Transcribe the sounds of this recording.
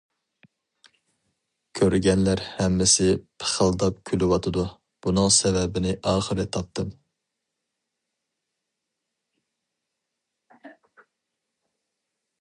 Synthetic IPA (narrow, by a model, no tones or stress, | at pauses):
kʲʰøɾɡʲɛnlæɾhɛmːɪsɪpʰə̥χəlˠd̪ɑp̚kʲʰylɪwɑt̪ʰɨd̪u | b̥unɨŋsɛvɛbɪnɪʔɑːχəɾɨt̪ʰɑp̚t̪ɨm